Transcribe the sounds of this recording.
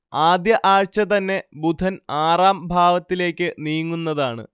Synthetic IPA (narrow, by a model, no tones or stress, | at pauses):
aːd̪jɐʔaːɻt͡ɕɐt̪ɐnːe̞bud̪ʱɐnaːraːmbʱaːʋɐt̪ːile̞ːkʲːɨniːjŋːunːɐðaːɳɨ̰